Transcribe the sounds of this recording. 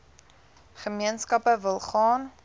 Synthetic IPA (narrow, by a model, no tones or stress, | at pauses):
χəmiənskɐpəvəlˠχɑːn